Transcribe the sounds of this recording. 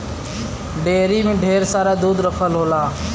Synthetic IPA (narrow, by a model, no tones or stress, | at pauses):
ɖeːɾiːmẽːɖʱeːɾsaːɾaːd̪uːd̪ɾəpʰəlɦoːlaː